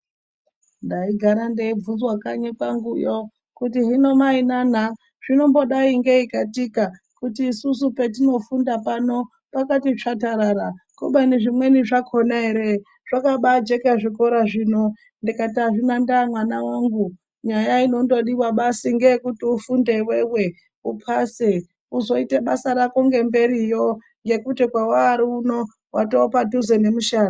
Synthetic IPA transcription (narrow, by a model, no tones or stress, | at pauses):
ndaiɡʱaɾandeib͡vunzwakaɲepaŋɡujo | kutiɦino̞mainan̤a | ʐ̥ino̞mbo̞ɗaiŋɡe̞ikatika | kutiːsusupe̞tino̞fundapano̞ | pakatit͡ʂataɾaɾakuɓaneʐimwe̞niʐakʰonaɦe̞ɾe | ʐ̥akaɓad͡ʒe̞keʐiko̞ɾaʐiːno̞ | ndikatiaʐinandamwanawaŋɡu | ɲajaino̞ndo̞ɗiwaɓasiŋɡeekutiufundeiwewe̞ | upʰase | uzo̞iteɓasaɾako̞ŋɡe̞mbe̞ɾijo | ŋɡe̞kutikwawaːɾiuno̞ | watopaduzene̞muʃaːna